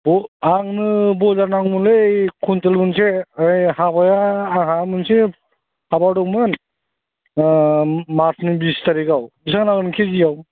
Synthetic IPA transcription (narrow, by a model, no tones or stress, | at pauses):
bɔaŋnɯbɔzaɾnaŋmɯnlɯkʰuntelmɯnseajhabajaːɦamɯnse | habawdɔŋmɯn | maɾsnibistaɾikawbisaŋnaɡɯnkʰezijaw